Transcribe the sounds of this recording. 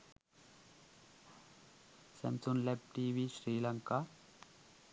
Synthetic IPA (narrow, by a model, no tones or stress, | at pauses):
sɐ̰nsunlep̚ʈiːʋiːʃɾiːlɐŋka